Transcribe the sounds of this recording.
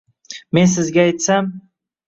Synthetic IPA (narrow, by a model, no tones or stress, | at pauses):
me̞nsɪzɡʲaːjt̪sam